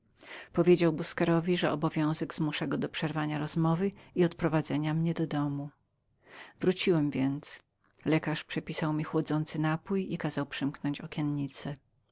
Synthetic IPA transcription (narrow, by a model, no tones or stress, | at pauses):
pɔvʲjed͡ʑawbuskɛɾɔvʲiʐɛɔbɔvʲjɔ̃w̃zɛɡzmuʂaɡɔd̪ɔpʂɛɾvaɲaɾɔzmɔvɘiɔt̪̚pɾɔvad̪zɛɲamɲɛd̪ɔd̪ɔmu | vɾut͡ɕiwɛmvʲjɛnt̪s | lɛkaʂpʂɛpʲisawmʲixwɔd̪zɔnt̪sɘnapujikazawpʂɘmknɔɲt͡ɕɔkʲjɛnɲit̪sɛ